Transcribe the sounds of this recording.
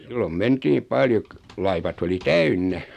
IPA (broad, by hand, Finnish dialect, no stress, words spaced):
silːom mentiː pɑljo k lɑiʋɑt oli tæynːæ